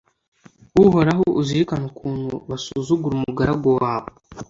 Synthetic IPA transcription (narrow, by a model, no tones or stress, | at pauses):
wuhoɾaɦooʔuziikanukʰuːnhuβasuːzuɡuɾumuɡaɾaɡo̞waːβo